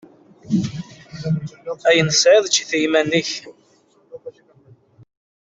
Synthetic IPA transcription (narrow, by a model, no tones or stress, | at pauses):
æjənəsʕɪðˤt͡ʃːiθəjmæniç